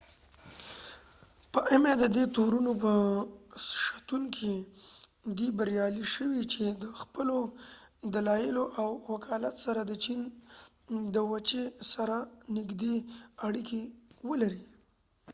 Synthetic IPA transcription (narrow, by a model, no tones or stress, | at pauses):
pəʔemad̪əd̪et̪oɾunopəsʃḁt̪uŋkʰi | d̪ibaɾjɑliʃəwit͡ʃed̪əxpəlod̪alɑjɪloʔawwakʰɑlat̪saɾad̪ət͡ʃin | d̪əwat͡ʃesaɾanɪɡd̪eaɽikewəlaɾi